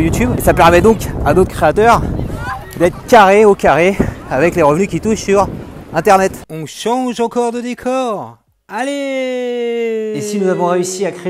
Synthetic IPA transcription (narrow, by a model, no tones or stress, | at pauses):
jut̪ybesapɛʁmɛd̪ɔ̃ka̰d̪ot̪χə̥kχeat̪œʁ | d̪ɛt̪χəkʲaʁeokʲaʁeavɛkleʁəvnykʲit̪uʃsyʁɛ̃t̪ɛʁnɛt̪ɔ̃ʃɑ̃ʒɑ̃kɔʁd̪əd̪ekʰɔʁ | ale | isinuzavɔ̃ʁeysiakχe